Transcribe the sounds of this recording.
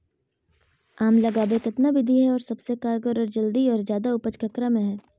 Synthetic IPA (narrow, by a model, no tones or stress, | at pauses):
aːmlɐɡaːbekɪt̪nabɪd̪ʱiɦɛɔːɾsɐbsekaːɾɡɔɾɔːɾd͡ʒɐld̪iɔːɾzjaːd̪aʊpət͡ʃkəkɾamẽɦɛː